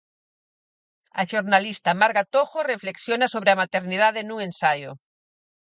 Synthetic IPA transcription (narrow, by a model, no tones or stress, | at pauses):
a̰ʃoɾnalist̪amaɾɣat̪oxorefleksjonasoβɾeamat̪eɾniðaðenuŋẽnsajo